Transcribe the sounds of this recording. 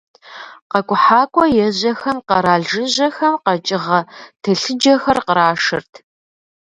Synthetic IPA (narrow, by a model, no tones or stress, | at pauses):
qɐkʷʼʊħaːkʷʼɔjɛʑɐxɐmqɐɾaːɮʒɨʑɐxɐmqɐt͡ʃʼɪʁɐtʰɐɬɨd͡ʒɐxɐrqəɾaːʂɨ̰rtʰ